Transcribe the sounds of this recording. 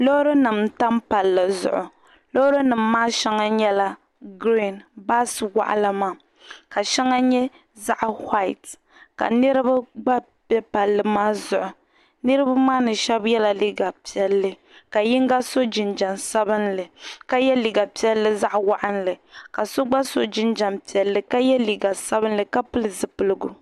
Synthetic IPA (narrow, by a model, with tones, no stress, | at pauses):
lo˦ɾo˦nɨ˨mta˦mpa˨lːɨ˨zʊ̰˨ʔʊ˨ | lo˦ɾo˦nɨ˨m̩ːaː˦ʃɛ˦ŋa˦ɲɛ˦la˦ | ɡɾi˦˨nba˦swa̰˨ʔa̰˦la˨maː˨ | ka˨ʃɛ˦ŋa˦ɲɛ˦ | za˦ʔha˦ɪ˨t | ka̰˨nɨ˦ɾɨ˦ba˦ɡ͡ba˦ | bɛ˦pa˨lːɨ˨maː˦zʊ˨ʔʊ˨ | nɨ˦ɾɨ˦ba˦maː˦nɨ˨ʃɛ˦bjɛ˦la˨li˦ɡa˨pi˨ɛ˨lːɨ˨ | ka˨jɪ˦ŋ˦ɡa˦so˦d͡ʒɪ˨nd͡ʒa˨nsa˦bɨ˦nlɨ˨ka˦jɛ˦li˨ɡa˨pi˦ɛ˦lːɨ˦za˦ʔwa˨ʔa˦n˦lɨ˨ka˨so˦ɡ͡ba˦so̰˦d͡ʒɪ˦nd͡ʒa˨mpi˨ɛ˨lːɨ˨ka˦jɛ˦liː˨ɡa˨sa˦bɨ˦n˦lɨ˨ka˦pɨ˦lɨ˦˨zɨ˨pɨ˦lɨ˦ɡu˨